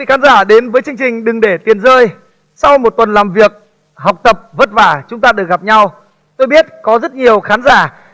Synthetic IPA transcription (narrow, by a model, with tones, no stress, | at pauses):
i˧˨xaː˨˦nzaː˧˩ɗe˨˦nvəː˨˦jt͡ɕɨ˧əŋt͡ɕï˨˩ŋ̟ɗɨ˨˩ŋɗe˧˩t̪i˨˩ənzəː˧j | sa˧wmo˨˩t̚t̪wə˨˩nlaː˨˩mvi˨˩ək̚ | ha˨˩wk͡p̚t̪ə˨˩p̚və˦˥t̚vaː˧˩t͡ɕʊ˨˦ŋ͡mt̪aː˧ɗɨ˨˩ək̚ɣa˨˩p̚ɲa˧w | t̪o˧jɓi˦˥ət̚kɔ˨˦zə˦˥t̚ɲi˨˩əwxaː˨˦nzaː˧˩